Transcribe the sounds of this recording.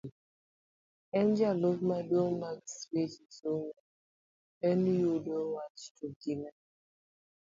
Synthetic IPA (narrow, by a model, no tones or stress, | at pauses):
ɛnd͡ʒalovmadomakspesisoŋu | enijodowat͡ʃtuɡina